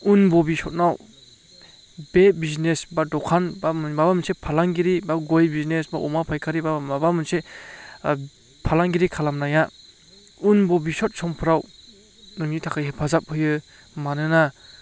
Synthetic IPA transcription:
unbɔbisɔt̚naw | bebiznesbadɔkʰanbamnbabamɯnsepʰalaŋɡiɾibaɡojbiznesba̰ʔɔmapʰajkʰaɾibaabamɯnse | pʰalaŋɡiɾikʰalamnaja | unbɔbisɔt̚sɔmpʰɯɾaw | nɯŋnitʰakʰajɦepʰazap̚hɯjɯ | manɯna

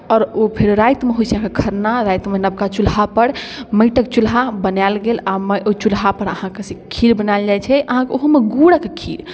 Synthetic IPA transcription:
ɔɾopʰeɾɾajt̪meɦojt͡ʃʰeɦãkekʰəɾnaɾajt̪menəb̚kat͡ʃulɦapəɽməjʈəkt͡ʃulɦabənalɡelaməʔot͡ʃulɦapəɾəhãkesẽkʰiɾbənald͡ʒajt͡ʃʰɛʔəɦãkeoɦumeɡuɽəkekʰḭɾ

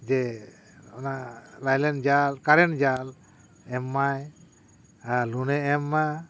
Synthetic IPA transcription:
d͡ʒɛ | ɔnalajlɛnd͡ʒalkaɾɛnd͡ʒal | ɛmːaj | alunɛɛmːa

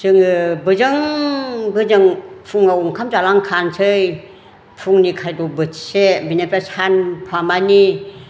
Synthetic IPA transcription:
sɯŋɯbɯzɯŋ | bɯzɯŋpʰuŋauŋkʰamd͡ʒalaŋkʰansʰɯj | pʰuŋnikʰajdubɯtsebinepɾasʰanpʰwamani

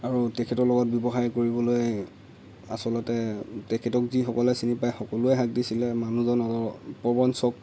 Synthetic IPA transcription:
aɹutɛkʰɛtɔɹlɔɡɔt̚bibɔxajkoɹibɔloj | a̰sɔlɔtɛtɛkʰɛtɔkzixɔkɔlɛsinipajxɔkɔlʊɛɦak̚disilɛmanuzɔnɔtɔpɹɔbɔnsɔk̚

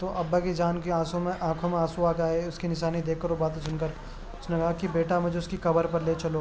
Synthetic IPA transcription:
t̪oʔɐbːakid͡ʒaːnkeãːsõmẽʔãːkʰõmẽaːsoaːkaːeʊskinɪʃ̬aːnid̪eːkʰːɐɾobaːt̪̬esʊnkəɾ | ʊsnekɐɦakibeːʈamʊd͡ʒʱeʊskikɐbəɾpɐɾleːt͡ʃɐloː

